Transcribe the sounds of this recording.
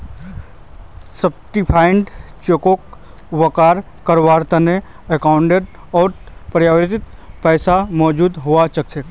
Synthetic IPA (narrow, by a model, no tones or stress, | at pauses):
səb̚ʈipʰaːɪɳɖt͡ʃokok | ʋəkaːɾ | kəɾʋaːɾt̪ɐne | ekaːʊɳɖeɖ | ɔːɾpɾjaːʋeɾt̪ɪt̪ | pɛːsamɔːd͡ʒuːd̪ɦoat͡ʃɐk̚t͡ʃʰek̪